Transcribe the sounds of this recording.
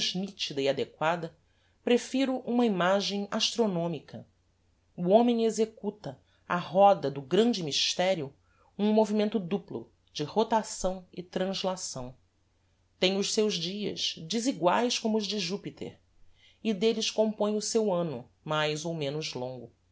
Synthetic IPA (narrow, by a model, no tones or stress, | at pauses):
zmit͡ʃid̪ɐiad̪ekwad̪ɐ | pɾefiɾʊʔũmɐimaʒẽj̃aʃt̪ɾonõmikʰɐ | uõmẽj̃ezekut̪ɐ | aɦɔd̪ɐd̪ʊɡɾɐ̃nd͡ʒɪmiʃt̪ɛɾiʊ | ũmovimẽnt̪ʊd̪uplʊ̰ | d͡ʒɪhot̪asɐ̃w̃ɪt̪ɾɐ̃zlasɐ̃w̃ | t̪ẽj̃ʊʃsewzd͡ʒiɐ̰ʃd͡ʒɪziɡwajskõmʊːzd͡ʒɪʒupit̪ʰḛɾ | id̪elɪʃkõmpõj̃ʊsewɐ̃nʊ̰ | majzowmẽnʊzlõŋɡʊ